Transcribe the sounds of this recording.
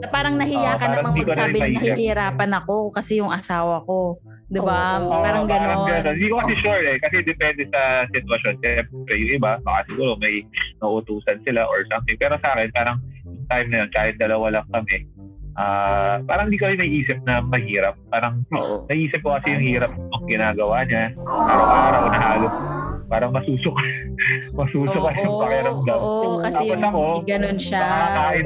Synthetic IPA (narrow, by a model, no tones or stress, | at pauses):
nɐpaːɾɐŋnɐhɪjaːkɐnaɾɐŋmɐɪd̪ikonɐɾɪɪmɐhiɐhsɪhɪɾaːpɐnɐko̞kɐsɛjʊŋɐsaːwɐko̞ | d̪ɪobapaːɾɐŋaɐmɐɐd̪onɪnd̪ikokɐsɛʃuɹɛkɐsɛd̪ɛpɛnd̪ɛsɐsɪt̪wɐʃo̞nʃɛmpɾɛjʊŋʔɪbabɐka̰sɪɡuːɾo̞mɐjnɐʔut̪uːsɐnsɪlaʔoɹsɐmt̪ɪŋpɛːɾo̞sɐʔaːkɛnpaːɾɐŋjʊŋt̪ajmnɐjonkaːhɪt̪̚d̪ɐlɐwalɐŋkɐmɛʔaːpaːɾɐŋɪnd̪iːkɐjɪnɐʔiːsɪp̚nɐmɐɦiːɾɐp̚ːaːɾɐŋoʔnɐɡʔiːsɪp̚kokɐsɛjʊŋhiːɾɐp̚nɐŋɡɪnaːɡɐwaɲapaːɾɐaaɾɐʔʊnɐɦaːlospaːɾɐŋmɐsuːsok̚ | mɐsuːsokɐjʊŋpɐkɛɾɐmd̪ɐwɐaɐsɐko̞ɡɐnonʃɐɐakaːhɪ